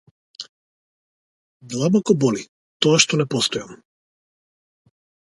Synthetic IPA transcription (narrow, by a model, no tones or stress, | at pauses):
d̪lˠabɔkɔbɔli | t̪ɔaʃt̪ɔnɛpɔst̪ɔjam